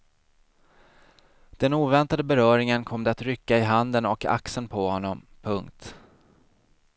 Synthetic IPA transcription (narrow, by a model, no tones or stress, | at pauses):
d̪̥ɛnuːvɛnt̪ad̪əbɛɾœːɾɪŋənkʰɔmd̪ɛat̪ɾʏkːaɪɦand̪ənɔkʰa̰ksənpʰɔhɔnːɔmpʰɵŋkt̪